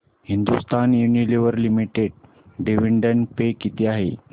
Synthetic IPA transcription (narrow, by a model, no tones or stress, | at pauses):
hind̪ust̪anjunileʋəɾlimiʈeɽ̚ | ɖeʋiɳɖəɳpekit̪ʰiaɦḛ